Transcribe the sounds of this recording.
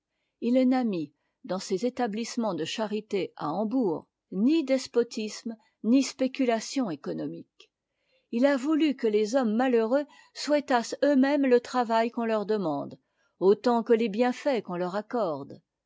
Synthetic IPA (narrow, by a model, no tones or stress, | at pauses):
ilnami | d̪ɑ̃sezet̪ablismɑ̃d̪əʃaʁit̪ea̰ɑ̃buːʁ | nid̪ɛspɔt̪ism | nispekʲylasjɔ̃ekɔnɔmik | ilavulykəlezɔmːaløʁø | swɛt̪asømɛmlət̪χavajkɔ̃lœʁd̪əmɑ̃d̪ | ot̪ɑ̃kəlebjɛ̃fɛkɔ̃lœʁakɔʁd̪